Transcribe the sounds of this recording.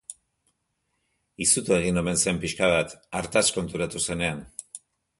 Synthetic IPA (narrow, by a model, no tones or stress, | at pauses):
isut̪oe̞ɣ̞ino̞me̞nse̞mpiʃkaβat̪aɾt̪asko̞nt̪uɾat̪use̞ne̞an